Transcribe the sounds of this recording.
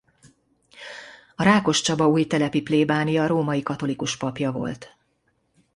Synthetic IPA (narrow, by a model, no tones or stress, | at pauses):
ɒɾaːko̞ʃt͡ʃɒbɒuːjt̪ɛlɛpipleːbaːnijɒɾoːmɒjikɒt̪o̞likuʃpɒpjɒvo̞̰lt̪